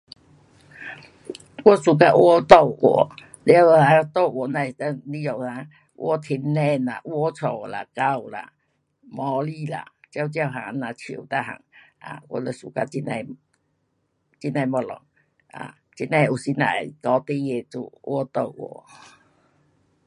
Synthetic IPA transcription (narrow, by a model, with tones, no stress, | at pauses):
kɔ˦su˨˩k̬a˧ʔwɔ˦t̪o˥˧˨wwɔ̰˨˩˦ | lja˦wha˧˦t̪o˥˧˨ɔ˨˩nã˧˨t̪ə˧li˧˦jɔ˨ha˧˦ | ʔwʔɔ̰˦t̪ʰi˧nnɛ˧˨na̰˨ʔwɔ˦t͡sʰo˨˩˨la̰˨ka˧wla̰˨ | mɔ˧˦li˦˧˨la̰˨t͡ɕja˧wt͡ɕja˧wɦa˨˧nã˨˧˨t͡ɕʰi˨t̪a˦˧ɦa̰˨ŋ | a̰˨kʷɔ̰˧˦lə˧˨sṵ˨ka˧t͡ɕi˧na˧j | t͡ɕi˦nã˧˨jmɔ˧lɔ̰˨ŋ | a̰˨ | t͡ɕi˦nɛ̃˧˨u˨˩si˧na̰˨kɔ˧˦t̪i˧˦je˧˨t͡sṵ˧wɔ˧˦t̪o˧˨wʔwɔ̰˨˩